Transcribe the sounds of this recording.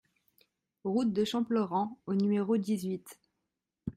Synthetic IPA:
ʁut̪̚d̪əʃɑ̃pləʁɑ̃onymeʁod̪izɥit̪

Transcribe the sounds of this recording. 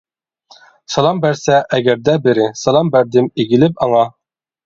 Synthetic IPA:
sɑlˠɑmbæɾsæʔæɡæɾd̪æbɘ̆ɾɘsɑlˠɑmbæɾd̪ɘmiɡɘ̆lɘpɑɴɑ

